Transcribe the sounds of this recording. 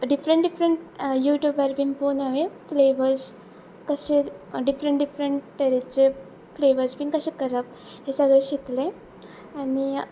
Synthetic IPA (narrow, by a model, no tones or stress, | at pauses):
ɖifɾəɳʈɖifɾəɳʈjuːʈjuːbaɾbinponaʋefleʋəɾs | kəɕeɖifɾəɳʈɖifɾəɳʈːʈeɾit͡ɕe | fleʋəɾsbiŋkəɕekəɾəp̚ | ɦesəɡɭeɕikle | ani